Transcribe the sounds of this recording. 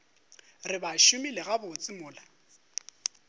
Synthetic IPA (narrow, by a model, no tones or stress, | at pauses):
rɪbaʃʊmilɪɣabʊt͡sʼɪmʊːla